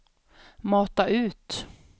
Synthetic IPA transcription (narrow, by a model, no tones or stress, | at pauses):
mɑːt̪aʔʉ̟ːt̪